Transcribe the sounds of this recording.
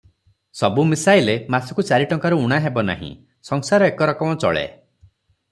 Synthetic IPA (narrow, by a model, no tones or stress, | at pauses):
sɔbumisajlemasɔ̥kut͡ʃaɾiʈɔŋkaɾuuɽ̃aɦebɔna̰ɦḭ̃ | sɔŋsaɾɔekɔɾɔkɔmɔt͡ʃɔ̰ɭḛ